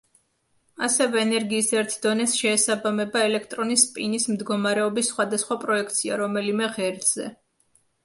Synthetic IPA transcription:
asɛvɛːnɛɾɡiːsɛɾt̪ʰd̪ɔnɛsʃɛːsabamɛbaɛlɛkʰt̪ʼɾɔnispʼinismd̪ɡɔmaɾɛɔbisːχwad̪asχwapʼɾɔɛk̚ʰt̪sʰia̰ɾɔmɛlimɛʁɛɾd̪z̥ɛ̰

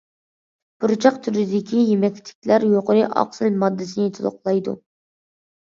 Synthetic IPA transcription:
b̥uɾt͡ʃʰɑqt̪ʰyɾɪd̪ɪkʲijemɛkʲt̪ʰɪ̥kʲlæɾjoqʊɾɨʔɑ̰qsɨlmɑd̪ːɪsɨnɪt̪ʰɨlo̰qlˠɑjd̪ṵ

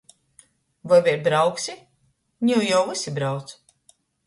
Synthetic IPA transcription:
vajvʲiɾbɾawksʲi | ɲʲuwjawvɨsibɾawt̪s

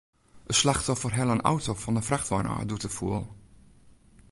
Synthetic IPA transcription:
əslaxtɔfərɦɛlˠəna̰wtofɔndəfraxtʋanʔa̰ːdutəfuəlˠ

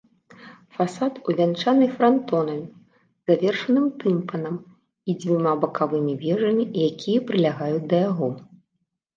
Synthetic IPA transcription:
fasat̪uvʲant͡ʂanɨjfɾant̪ɔnɐmʲ | z̥avʲɛrʂɐnɨmt̪ɨmpɐnɐm | id͡zʲvʲimabɐkʰavɨmʲivʲɛʐɐmʲijakʲijɐpɾɨlʲaɣajut͡sʲd̪ɐjaɣɔ

